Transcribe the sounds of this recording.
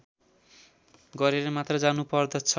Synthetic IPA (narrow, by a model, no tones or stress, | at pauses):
ɡʌɾeɾʌmat̪rʌd͡zanupʌrd̪ʌt͡sʰʌ